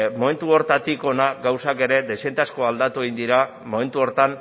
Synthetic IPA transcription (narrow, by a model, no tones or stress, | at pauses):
mo̞me̞nt̪uo̞ɾt̪at̪iko̞naɡawsake̞ɾe̞d̪esent̪asko̞ald̪at̪ue̞ind̪iɾa | mome̞nt̪uo̞ɾt̪an